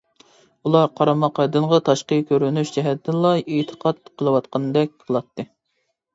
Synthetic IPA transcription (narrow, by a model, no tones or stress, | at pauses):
ulˠɑɾqʰɑɾɑmɑqɑd̪ɨɴʁɑt̪ʰɑʃqəkʲøɾynyʃd͡ʒɛɦɛt̪ːɪnlˠɑet̪ʰə̥qʰɑt̪̚qʰəlˠɨwɑt̪qɑnd̪ɛk̚ʲqʰəlˠɑt̪ʰːɨ